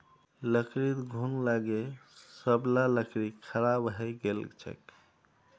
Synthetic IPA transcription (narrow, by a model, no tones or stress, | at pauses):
ləkɾit̪ɡʱunlaɡesəblaləkɾikʰəɾabɦɛɡelt͡ʃʰə̰k